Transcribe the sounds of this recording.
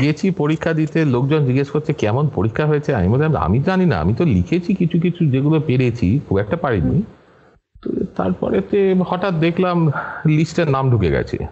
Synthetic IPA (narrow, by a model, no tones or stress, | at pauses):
ɡet͡ɕʰipoɾikʰːad̪it̪elok̚d͡ʑond͡ʑiɡeʃkoɾt͡ɕʰekɛmonpoɾikʰːaɦoet͡ɕʰea̰ḭmod̪ʱeama̰mid͡ʑanina̰a̰mit̪olikʰet͡ɕʰikit͡ɕʰuk̬it͡ɕʰud͡ʑeɡulopeɾet͡ɕʰikʰubɛk̚ʈapaɽinḭ | t̪o̰t̪a̰ɾpɔ̰ɾet̪ehɔʈat̪̚d̪ekʰlamlisʈeɾnamɖʱukeɡɛ̰t͡ɕʰḛ